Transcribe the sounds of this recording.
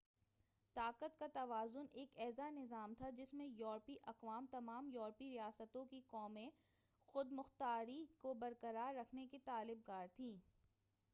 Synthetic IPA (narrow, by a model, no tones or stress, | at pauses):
t̪aːqət̪̚kat̪ɐʋaːzʊneːkɛːzanɪzaːmt̪ʰad͡ʒɪsmẽjɔːɾpiʔɐqʋaːmt̪ɐmaːmjɔːɾpiɾijaːsət̪õkikɔːmẽ | xʊd̪mʊxt̪aːɾikobɐɾkəɾaːɾːɐkʰneket̪aːlɪb̚kaːɾt̪ʰĩː